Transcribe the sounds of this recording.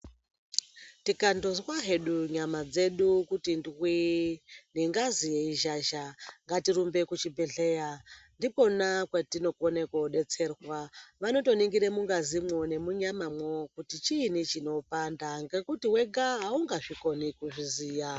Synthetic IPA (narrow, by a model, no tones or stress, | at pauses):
tikandozwaɦe̞ɗuɲamad͡ze̞ɗukutindwi | ndiŋɡazijeiʒaʒaŋɡatiɾumbe̞kut͡ʃibʱeɮe̞jandipo̞nakwetino̞kone̞koɗe̞t͡se̞rwaʋano̞to̞niŋɡiɾemuŋɡazimwo̞ne̞muɲamamwo̞kutit͡ʃinit͡ʃino̞pandaŋɡe̞kutiweɡaɦauŋɡaʐiko̞nikuʐiziːja